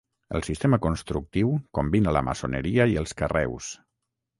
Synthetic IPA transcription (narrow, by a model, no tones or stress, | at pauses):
ə̰lˠsist̪eməkunst̪ɾuk̚t̪iwkumbinələ̰mə̰sonəɾiəiəlˠskərɛ̰ws